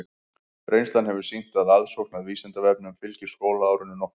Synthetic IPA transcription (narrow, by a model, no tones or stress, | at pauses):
ɾejnst̪anhɛvʏɾ̥sin̥t̪aðaðsowknaðviːsɛnt̪avɛp̚nʏmfɪlcɪ̥skoːwlaaːwɾʏnːʏnɔh